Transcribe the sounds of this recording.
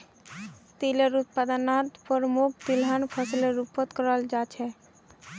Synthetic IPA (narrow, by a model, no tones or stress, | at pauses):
t̪iləɾut̪̚pad̪ənat̪pəɾmuk̚ʰt̪ilɦənpʰəslɾupət̪kəɾəld͡ʒat͡ʃʰɛ